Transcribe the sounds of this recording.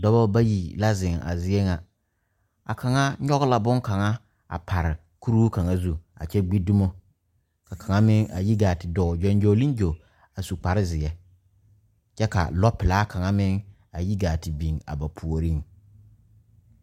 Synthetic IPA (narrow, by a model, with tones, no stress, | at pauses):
dɔ˦bɔ˦ba˦ji˨la˦zɪ˨ŋa̰˨zɪ˦ɛ˦ŋa˨ | a̰˨ka˨ŋa˦ɲɔ˦ɣʊ˦la˨bʊ˦ŋka˨ŋa˦ | a̰˨pʰa˨ɾɪ˨ | ku˦ɾu˦u˦ka˨ŋa˦zu˦a̰˨t͡ʃɛ˦ɡ͡bi˦du˦mo˦ | ka˨ka˨ŋa˦mɪ˦ŋa̰˨ji˦ɡaː˨tɪ˨dɔ˨d͡ʒɔ˨nd͡ʒo˨li˦nd͡ʒo˨ | a˨su˨k͡pa˨ɾɪ˦zɪ˨jɛ˦ | t͡ʃɛ˦ka̰˨lɔ˦pɪ˨laː˦ka˨ŋa˦mɪ˦ŋ | a˨ji˦ɡaː˨tɪ˨bi˨ŋa̰˨ba˨pʰu˨o˨ɾi˦ŋ